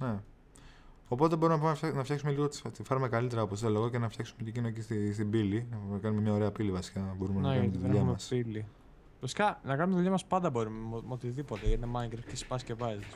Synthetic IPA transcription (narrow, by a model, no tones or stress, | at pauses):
ne̞ | o̞po̞t̪e̞bo̞ɾumenɐpumfnɐftçɐksume̞liɣot̪i̥t̪ifɐɾumekɐlit̪e̞ɾɐopost̪eoloɣoce̞nɐfçɐksumec̪ecinocesist̪ibilinɐɐkɐnume̞mɲɐo̞ɾe̞ɐpilivɐsi̥kɐbo̞ɾumenkɐnmet̪iðuʎɐmeɐpili | vɐsi̥kɐnɐkɐnumet̪iðuʎɐmɐspɐnd̪ɐbo̞ɾumot̪iðipot̪eʝɐt̪inɐmɐɡɾefcesi̥pɐscevɐzi